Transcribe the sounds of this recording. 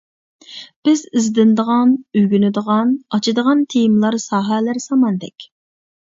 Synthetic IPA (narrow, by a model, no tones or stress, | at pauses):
b̥ɪzɪzd̪ɪnd̪əʁɑnyɡʲynɪd̪əʁɑnɑt͡ʃʰid̪əʁɑnt̪ʰejmlˠɑɾsɑːɦɛlæɾsɑmɑnd̪ɛkʲ